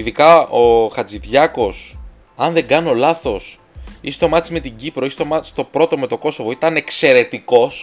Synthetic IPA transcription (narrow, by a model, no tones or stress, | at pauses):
iðikɐoxɐd͡ziðʝɐko̞s | ɐnðe̞ŋɡɐno̞lɐθo̞s | ist̪o̞mɐtt͡sime̞t̪iɟipɾo̞ist̪o̞mɐt͡si̥st̪o̞pɾo̞t̪o̞me̞t̪o̞ko̞sovo̞it̪ɐne̞kse̞ɾe̞t̪iko̞s